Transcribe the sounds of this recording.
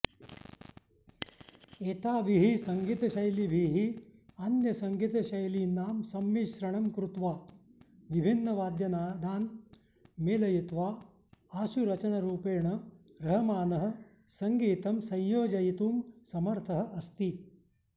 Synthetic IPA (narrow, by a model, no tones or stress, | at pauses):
eːt̪aːʋiɦisɐŋɡit̪ɐʃɐjlibʱiːɦiɐnjɐsɐŋɡit̪ɐʃɐjlinːaːmsɐmjiʃɾɐɳɐmkɾut̪ʋaː | ʋibʱinːɐʋaːd̪jɐnaːd̪ʱaːn | meːlɐjit̪ʋaː | aːʃuɾɐt͡ʃɐnɐɾuːpeːɳɐ | ɾɐɦɐmaːnɐɦɐ̆ | sɐŋɡiːt̪ɐmsɐ̃jjoːd͡ʒɐjit̪uːmsɐmɐɾt̪ʰɐɦɐ̆ʔɐst̪i